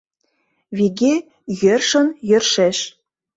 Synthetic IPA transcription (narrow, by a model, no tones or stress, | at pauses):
vʲiɡʲe | jørʃɤ̆njø̆rʃeʃ